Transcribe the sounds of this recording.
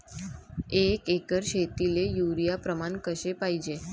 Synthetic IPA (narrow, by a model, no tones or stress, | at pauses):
ekekəɾʃet̪ilejuɾijapɾəmankəʃepajd͡ʒe